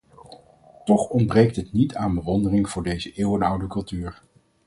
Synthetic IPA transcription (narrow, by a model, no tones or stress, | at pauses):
tɔχɔnbrejk̚tətnitaːnbəʋɔndərɪŋv̥ʊːɹdejzəʔɪːwənʌwdəkɵlˠtyːɹ